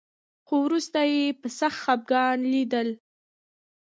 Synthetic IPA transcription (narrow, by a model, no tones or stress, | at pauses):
xowɾust̪ajepəsaxt̪xab̚ɡɑnlid̪əl